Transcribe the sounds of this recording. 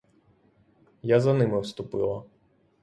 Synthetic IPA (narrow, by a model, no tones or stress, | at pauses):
jazɐnɪmɪwst̪ʊpɪlˠɐ